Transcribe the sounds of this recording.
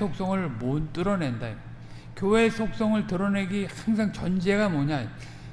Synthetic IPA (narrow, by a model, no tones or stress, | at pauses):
sʰok̚s͈ʌŋɯɭmont͈ɯɾʌnenda | kjowe̞sʰok̚s͈ʌŋɯɭtɯɾʌne̞ɡihaŋsʰaŋt͡ɕʌnd͡ʑe̞ɡamoɲa